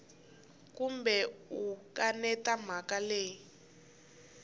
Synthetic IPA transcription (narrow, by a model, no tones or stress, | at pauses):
kumbɛukanɛtam̤akaleːi